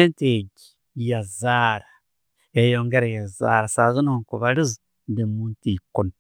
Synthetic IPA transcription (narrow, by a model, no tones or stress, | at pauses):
enteɟi̥ | jazaɾa | ejoːŋɡeɾajaza̰ɾasazinokuβalizi | ndemuːntikona